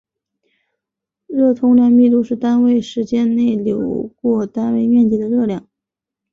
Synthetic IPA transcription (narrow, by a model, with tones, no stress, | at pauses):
ɻɤ˥˩t̪ʰʊ˥ŋljɑ˥˧ŋmi˥˧t̪u˥˧ʂɻ̩˥˩t̪a˥nwe˥˩ɪʂɻ̩˧˥t͡ɕjɛ˥nne˥˩ɪljo˨˩ʊkwɔ˥˧t̪a˥nwe˥˧ɪmʲjɛ˥˧nt͡ɕi˧˥˩d̪ə˩˧ɻɤ˥˧ljɑ˥˩ŋ